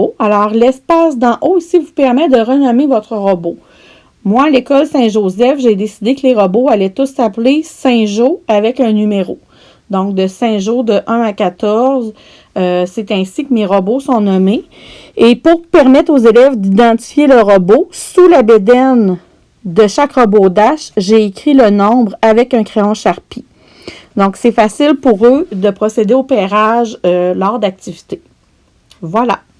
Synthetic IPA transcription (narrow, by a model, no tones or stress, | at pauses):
alɔːʁlɛspasd̪ɑ̃ʔosivupɛʁmɛd̪əʁənɔmevɔt̪χəʁəbo | mwalekɔlsɛ̃ʒozɛfʒed̪esid̪ekleʁəboalɛt̪ʊsaplesɛ̃ʒoavɛkœ̃nymeʁo | d̪ɔ̃k̚d̪əsɛ̃ʒod̪əʔœ̃akat̪ɔʁz | øsɛt̪ɛ̃sikəmeʁəbosɔ̃nɔme | epuʁpɛʁmɛt̪χozelɛvd̪id̪ɑ̃t̪i̥fjeləʁəbosulabed̪ɛn | d̪əʃakʁəbod̪aʃʒeːkʲʁilənɔ̃bʁavɛkœ̃kχeɔ̃ʃaʁpi | d̪ɔ̃ksɛfasɪlpuʁød̪əpχɔsed̪eopɛːʁaʒølɑːʁd̪ak̚t̪ivi̥t̪e | vwala̰